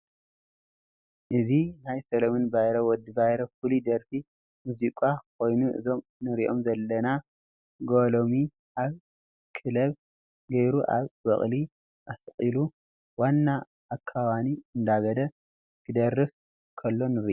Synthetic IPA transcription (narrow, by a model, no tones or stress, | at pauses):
ʔɨzinajsɐlɐmɨnbajɾowɔd̪ɨbajɾofulid̪ɐɾfi | muzikʼakʰo̞jnuʔɨ̰zo̞mnɨɾiʔo̞̰mzɐlːɐna | ɡolomi | ʔaβ | kʰɨlɐβ | ɡɐjɾuʔa̰βbɐ̰χʼli | ʔasqʼilu | wanːa | ʔːkʰːaβaniɨnd̪aɡɐd̪ɐ | kʰɨd̪ɐrːɨf | kʰɐlːo̞nɨɾiʔ